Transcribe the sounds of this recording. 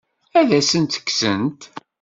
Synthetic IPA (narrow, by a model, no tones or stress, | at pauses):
æðæsənt̪ə̥kːsənt̪